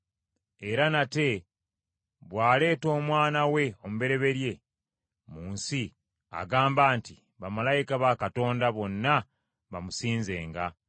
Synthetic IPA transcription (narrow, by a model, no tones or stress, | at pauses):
e̞ɾanate̞ | βwaːle̞ːto̞ːmwaːnawe̞omuβe̞ɾe̞βe̞ɾje̞ | muːnsi | a̰ɡaːmbaːnti | βamalajikaβakato̞ːndaβo̞nːa | βamusiːnze̞ːŋɡa